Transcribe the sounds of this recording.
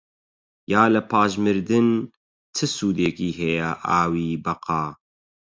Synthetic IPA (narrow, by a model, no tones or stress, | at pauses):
jaːlɐpʰaːʒmɨɾd̪ɨn | t̪ʰɨsuːd̪eːkiːɦɛjɛʔaːwiːbɐqɑː